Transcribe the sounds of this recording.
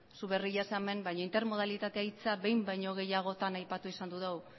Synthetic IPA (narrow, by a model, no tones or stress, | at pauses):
suβe̞riʎasame̞mbajɲo̞int̪eɾmo̞ð̞alit̪at̪eait͡saβe̞jmbajɲo̞ɣ̞e̞jaɣ̞o̞t̪anajpat̪uisand̪uðew